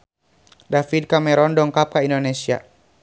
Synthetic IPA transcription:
dafid̚kamɛɾɔndɔŋkap̚kaindonesia

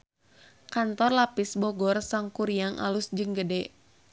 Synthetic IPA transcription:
kant̪ɔrlapisbɔɡɔrsaŋkuɾijaŋʔa̰lusd͡ʒɨŋɡədɛ

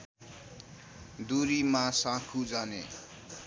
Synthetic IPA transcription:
d̪uɾimãsãkʰud͡zʌnḛ

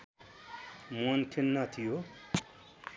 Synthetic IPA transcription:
mont̪ʰinːat̪ʰijo

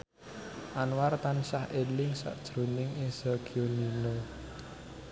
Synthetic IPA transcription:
ʔanwart̪ansahelɪŋsa̰ʔd̥ʒ̥ɾṳnɪŋesaɡ̥ionino

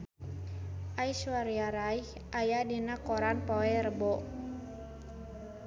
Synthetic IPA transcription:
ʔajswaɾiaɾaih | ʔajadinakɔɾanpɔɛrəbɔʔ

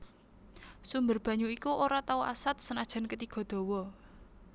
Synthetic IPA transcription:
sumbərb̥ä̤ɲuikuʔoɾat̪auʔa̰sat̪̚sənad̥ʒ̥a̤nkət̪iɡ̥ɔ̤d̪̥o̤wɔ

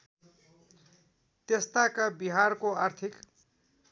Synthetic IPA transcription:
t̪est̪akabiɦarkoart̪ʰik

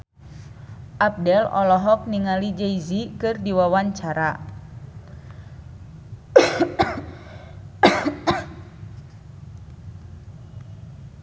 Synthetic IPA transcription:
ʔap̚dɛlɔ̰lɔɦɔk̚niŋalid͡ʒɛizikɨrdiwawaɲt͡ʃaɾa

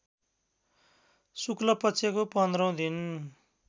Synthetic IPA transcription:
suklʌpʌt͡sʰekopʌnd̪rʌw̃d̪in

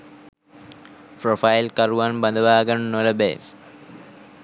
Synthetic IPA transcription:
pɾofajlkɐɾuʋɐnbɐnd̪ʱɐʋaːɡɐnnolɐbḛː

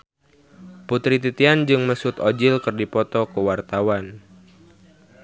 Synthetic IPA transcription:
put̪ɾit̪it̪iand͡ʒɨŋməsʊt̪ɔd͡ʒɪlkərdipɔt̪ɔkəwart̪awan

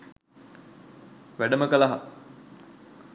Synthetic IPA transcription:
ʋæɖəməkəlaɦa

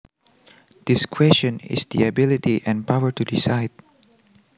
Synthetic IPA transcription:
d̪̥ɪskʰwɛst͡ʃə̃nɪ̰sd̪ḭabɪlitiʔɛ̃npawəɹtudisaɪd̚

